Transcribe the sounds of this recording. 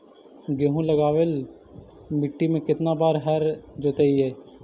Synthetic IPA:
ɡeɦũləɡaːʋel | mɪʈːimẽkɪt̪nabaːɾɦəɾd͡ʒoːt̪eiɦɛː

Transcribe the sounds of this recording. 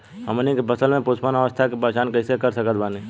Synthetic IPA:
ɦəmnikebəsəlmẽpoːspənəʋəst̪ʰakepaːt͡ʃaːnkəɪsekəɾsəkət̪baːni

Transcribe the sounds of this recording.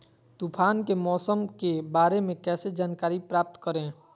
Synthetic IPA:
t̪upʰaːnkemɔːsəmkebaːɾemẽkɛːsed͡ʒaːnkaːɾipɾaːp̚t̪kəɾẽː

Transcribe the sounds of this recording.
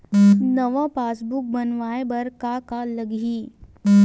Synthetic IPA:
nəʋapaːsbuk̚bənʋaebəɾkakaləɡiː

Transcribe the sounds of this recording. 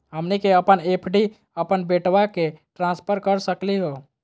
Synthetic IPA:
ɦəmnikeəpənepʰɖi | əpənbeʈwakeʈɾãspʰəɾkəɾsəkliɦo

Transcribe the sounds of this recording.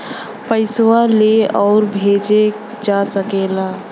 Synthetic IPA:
pəɪswaleɔːɾbʱeːd͡ʒe | d͡ʒasəkeːlaː

